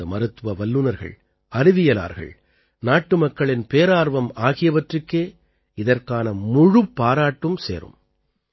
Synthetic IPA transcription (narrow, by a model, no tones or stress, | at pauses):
ɐmɐɾɯt̪ːʋɐʋɐlːɯnɐɾɣɐ̰ɭ | ɐɾɪʋɪjɐla̰ːɾɣɐ̰ɭ | naːʈːɯmɐkːɐɭɪnpeːɾaːɾʋɐmaːɣɪjɐʋɐʈrɯkːeː | ɪðɐɾkaːnɐmʊɻɯpːaːɾaːʈːɯmsḛːɾɯ̰m